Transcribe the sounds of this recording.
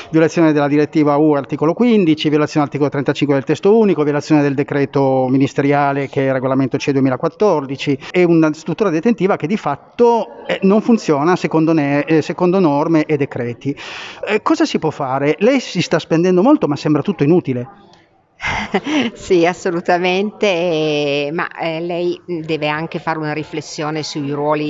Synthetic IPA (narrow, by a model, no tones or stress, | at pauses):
vjolat̪sːjoːned̪elːad̪iɾet̪ːiːvaueart̪iːkolokwind̪it͡ʃivjolat̪sjondaɾt̪ikolot̪ɾent̪at͡ʃiŋkwed̪elt̪ɛst̪ouːnikovjolat̪sjoːned̪eld̪ekɾɛːt̪ominist̪eɾjaːlekeɛrːeɡolament̪ot͡ʃɛd̪uemiːlakwat̪ːɔrd̪it͡ʃiɛunast̪ɾut̪ːuːɾad̪et̪ent̪iːvak̟ed̪ifat̪ːoɛnoɱfunt̪sjɔːnasekond̪onesekond̪onɔrmeʔed̪ekɾɛːt̪iɛkɔːzasipwɔfːaːɾelɛjsist̪aspend̪ɛnd̪omolt̪omasːɛmbɾat̪ut̪ːoinut̪ile | siasːolut̪ament̪e | ma̰ɛlɛjd̪ɛːveaŋkefaːɾeunaɾiflesːjoːnesuiɾwɔːli